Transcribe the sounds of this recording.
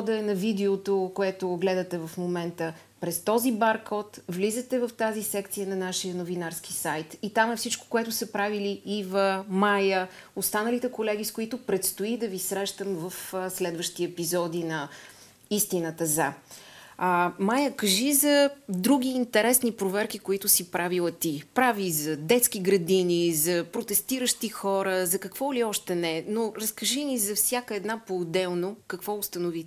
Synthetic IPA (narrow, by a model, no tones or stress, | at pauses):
ɔd̪ɛnɐvid̪ɛot̪okoɛt̪oɡlɛd̪ɐt̪ɛvɐfmomɛnt̪ə | pɾɛst̪ɔzibaɾkɔt̪vlizət̪ɛvɐft̪azisɛkt̪sijənɐnaʃijənovinaɾskisajt̪it̪amɛfsit͡ʃko̥koɛt̪ʊsɐpɾaviliːvəmajə | ost̪anəlit̪ɛkolɛɡ̟iskoit̪ʊpɾɛt̪st̪oid̪ɐvisɾɛʃt̪əmvəfslɛd̪vəʃt̪iɛpizɔd̪inɐ | ist̪inət̪əza | majəkəʒizɐd̪ɾuɡ̟ʲiːnt̪ɛɾɛsnipɾovɛɾkikoit̪ʊsipɾavilˠət̪ipɾavizɐd̪ɛt̪sk̟iɡɾɐd̪inizɐpɾot̪ɛst̪iɾəʃt̪ixɔɾəzɐkɐkv̥ɔliɔʃt̪ɛnɛnoɾəskəʒinizɐfsʲjakəɛd̪napoːd̪ɛlˠnokɐkvɔʊst̪ənʊvi